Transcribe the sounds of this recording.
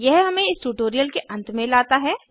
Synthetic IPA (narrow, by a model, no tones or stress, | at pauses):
jɛɦɦɐmẽɪsʈuːʈoːɾijəlkeʔɐ̃nt̪mẽlaːt̪aɦɛː